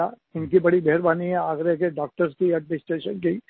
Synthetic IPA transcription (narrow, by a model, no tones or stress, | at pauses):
a | ɪnkibɐɽibʱeːɾbaːniɦɛaːɡɾek̬eɖaːk̚ʈəɾskiɛɖmɪsʈeːʃənki